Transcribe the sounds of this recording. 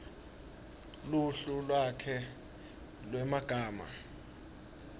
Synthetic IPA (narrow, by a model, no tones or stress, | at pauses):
luɬulwakʰɛ | lwɛmaɡ̥ʱaːma̰